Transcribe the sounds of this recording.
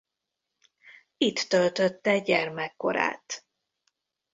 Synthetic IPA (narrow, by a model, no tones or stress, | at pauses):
it̪ːølt̪øt̪ːɛɟɛrmɛkːo̞̰ɾa̰ːt̪